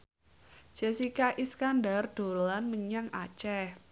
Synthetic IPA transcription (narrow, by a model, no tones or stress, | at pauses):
d͡ʒ̥esikaʔiskandard̪̥o̤lanməɲaŋʔa̰t͡ʃɛh